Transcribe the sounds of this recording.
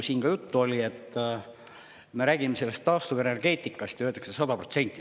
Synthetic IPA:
siːnɡ̥ɑjut̪ːuo̞lʲie̞t̪ːˑ | me̞ɾæːɡ̥imese̞lːe̞st̪ːɑːst̪uve̞ne̞rɡ̥e̞ːt̪ʲːˑikːˑɑst̪jɑøːt̪ːɑ̥ksesɑd̪ɑpro̞̰t̪se̞nʲt̪ːˑi

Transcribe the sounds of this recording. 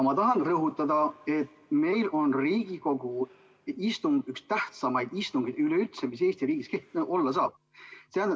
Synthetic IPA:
mɑt̪ɑɦɑnrɤɦut̪ːˑɑd̪̥ɑe̞t̪ːme̞jlʔo̞nriːɡ̥iko̞ɡ̥u | ist̪uŋɡykst̪æht̪sɑmɑjd̪̥ist̪uŋɡ̥id̪yleyt̪semis̬e̞ːst̪iɾiːɡ̥iskeht̪ʔo̞lːɑs̬ɑːb̥̚ | seæːn

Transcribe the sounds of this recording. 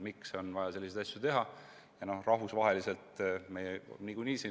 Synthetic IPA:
mikso̞nvɑjɑse̞lːised̪ɑsjut̪e̞ɦɑ | jɑno̞hrɑɦvusvɑɦe̞lise̞lt̪me̞jɛniɡ̥unʲiːsi

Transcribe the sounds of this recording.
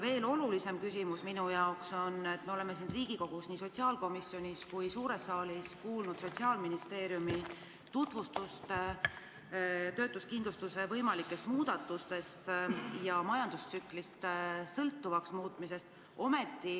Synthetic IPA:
ve̞ːlo̞lulise̞mkysimusminujɑokso̞ne̞t̪ːme̞o̞le̞me̞sinriːɡ̥iko̞ɡ̥usniːso̞tʲsiɑːlko̞misjo̞nʲiskujsuːɾe̞sːɑːliskuːlnud̪̥so̞t̪ʲsiɑːlminist̪e̞ːɾjumi | t̪ut̪vust̪ust̪ | t̪ø̞ːt̪ˑuskind̪lust̪use̞vɤjmɑlikːˑe̞st̪muːd̪̥ɑt̪ːˑust̪e̞st̪jɑmɑjɑnd̪ust̪syklist̪sɤlt̪ːuvɑksmuːt̪ˑmise̞st̪ | o̞me̞t̪ːˑi

